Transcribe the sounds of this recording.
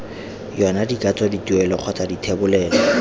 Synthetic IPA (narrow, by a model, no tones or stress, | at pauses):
jɔnadikʼat͡sʼɔditʼuɛlɔq͡χʰɔtʰʼaditʰebʊlɛːlɔ